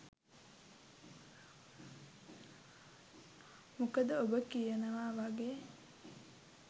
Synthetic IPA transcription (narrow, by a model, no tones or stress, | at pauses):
mukəd̪əobəkijenɐʋaːʋaɡeː